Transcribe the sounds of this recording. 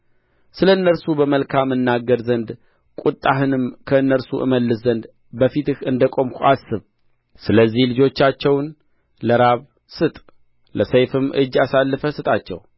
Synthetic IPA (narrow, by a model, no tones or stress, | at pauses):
sɨləɨnːəɾsubəməlkʰamːɨnːaɡːəɾzənd̪ | kʷʼut̪ʼːaɦɨnɨmkʰəɨnːəɾsuʔɨ̰məlːɨszənd̪ | bəfit̪ɨhɨnd̪əkʼo̞mkʰuasɨβ | sɨləzːihlɨd͡ʒo̞t͡ʃːat͡ʃːɛwn | ləɾaβ | sɨt̪ʼ | ləsejfɨmʔɨ̰d͡ʒasalːɨfəsɨt̪ʼat͡ʃːɛ̰w